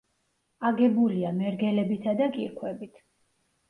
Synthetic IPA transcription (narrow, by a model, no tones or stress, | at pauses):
aɡɛbuliamɛɾɡɛlɛbit̪ʰad̪akʼḭɾkʰwɛbit̪ʰ